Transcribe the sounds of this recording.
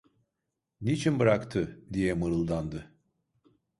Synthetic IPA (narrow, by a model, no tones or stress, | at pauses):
nit͡ʃʰinbɯɾakt̪ʰɯd̪ijɛmɯɾɯlˠd̪and̪ɯ